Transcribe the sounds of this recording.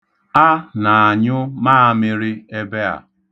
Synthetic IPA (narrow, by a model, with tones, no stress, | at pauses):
a˦na˨a˨ɲʊ˦maː˦a˨˦mɪ˦ɾɪ˦e˦be˦a̰˨